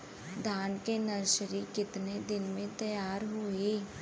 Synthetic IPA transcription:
d̪ʱaːnkenɐɾʃɾikɪt̪ned̪ɪnmẽt̪ɐjaːɾɦʊiː

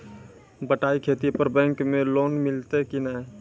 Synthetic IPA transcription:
bəʈaikʰet̪ipəɾbɛ̃ːŋkmẽloːnmɪlt̪ekinə

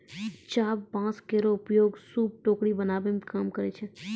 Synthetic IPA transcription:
t͡ʃaːbpãːt͡ʃkeɾoʊpjoːɡsuːb̚ʈoːkɽibənaːbemkaːmkəɾet͡ʃʰe

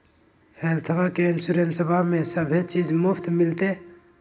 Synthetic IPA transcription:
helt̪ʰəbakeɪnsuɾensəbʱamẽsəbʱet͡ʃid͡ʒmʊpʰt̪mɪlt̪e

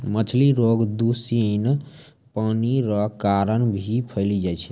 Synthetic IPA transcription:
mət͡ʃʰliɾoɡd̪usiən | paniɾəkaɾənbʱipʰəɪlid͡ʒajt͡ʃʰɛ̥

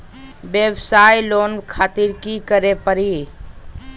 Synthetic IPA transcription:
ʋeʋsaːjloːnkʰaːt̪iɾkikəɾepəɾi

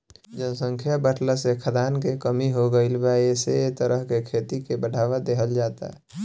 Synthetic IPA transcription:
d͡ʒənsə̃ŋkʰjabəʈʰləsekʰəd̪aːnkekəmiɦoɡəɪlbaeseet̪əɾəɦkekʰeːt̪ikebəɽʱaːʋad̪eɦəld͡ʒaːt̪a̰ɦɛ

